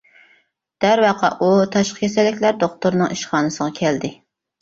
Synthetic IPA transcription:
d̪̥æɾwɑqʰɑ̰ʔut̪ʰɑʃqə̥kʲʰɛsɛlːɪkʲlæɾd̪oχt̪uɾnɨŋiʃχɑːnɨsəʁɑkʲʰɛld̪ɪ

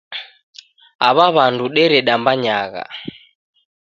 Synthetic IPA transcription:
aβaβanduɗɛɾɛɗambaɲaɣa̰

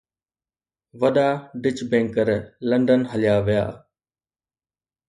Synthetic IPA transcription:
ʋɐɗaːɖɪt͡ʃbẽːŋkəɾlə̃ɳɖənɦəlɪjaːʋɪja̰ː

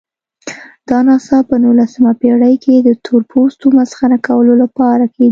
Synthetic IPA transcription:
d̪̥ɑnɑsɑpənulasəmapeɽəjkʰed̪ət̪ʰoɾpost̪omazxanakawəlolapɑɾakʰedi

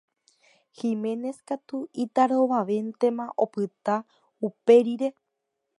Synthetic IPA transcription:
himẽ̞ne̞skat̪uit̪aɾo̞ʋaʋe̞nt̪e̞mãʔopɨt̪a | upe̞ɾiɾe̞

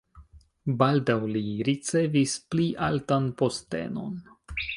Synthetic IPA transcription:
baldawliɾit͡se̞vispliʔaltanpo̞ste̞̰no̞̰n

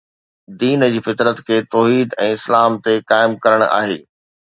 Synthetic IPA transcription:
d̪iːnd͡ʑiːfɪt̪ɾət̪kʰeːt̪ɔːɦiːd̪ɛ̃ːɪslaːmt̪ekaːɪmkɐɾəɽ̃a̰ːɦḛː

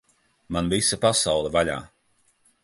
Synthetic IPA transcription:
manvisapasawlˠɛvaʎa̰ː

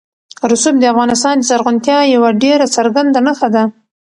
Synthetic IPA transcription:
ɾʊsub̚d̪əafɣɑnɪs̬t̪ɑnd̪əzaɾɣʊnt̪jɑjawaɖeɾasaɾɡand̪anəxad̪a

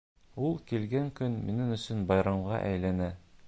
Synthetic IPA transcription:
ulˠkilɡæŋkɵnminɘŋɵ̆sɵnbɑjɾɑɴʁɑ̰ʔæjlænæ

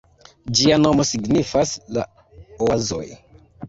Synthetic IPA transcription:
d͡ʒiano̞mo̞siɡnifasla̰ | oazo̞̰j

